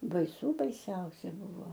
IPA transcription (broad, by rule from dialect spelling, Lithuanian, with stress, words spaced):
bɐɪˈsuː bɐɪˈsʲɛʊsʲɛ ˈbʊʋoː